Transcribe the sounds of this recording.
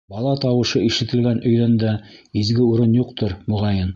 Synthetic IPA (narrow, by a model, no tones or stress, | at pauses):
bɑlˠɑt̪ɑwɤ̆ʃɤiʃɘ̆t̪ɘ̆lɡænʔɵ̆jðænd̪æizɡɘuɾɤnjuqt̪ɤɾmŏʁɑjɤn